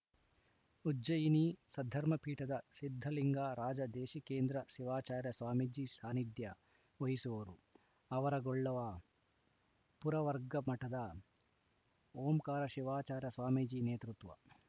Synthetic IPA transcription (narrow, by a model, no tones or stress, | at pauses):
uɐjinisɐd̪ʱːɐɾmɐpiːʈɐd̪ɐsid̪ʱːɐliŋɡaːɾaːd͡ʒɐd̪eːʃikeːnd̪ɾɐʃiʋaːt͡ʃaːɾjɐsʋaːmid͡ʒisaːnid̪jɐ | ʋɐɦisuʋɐɾu | ɐʋɐɾɐɡɔɭːɐʋɐ | puɾɐʋɐɾɡɐmɐʈɐd̪ɐ | oːmkaːɾɐʃiʋaːt͡ʃaːɾjɐsʋaːmid͡ʒineːt̪ɾut̪ʋɐ̰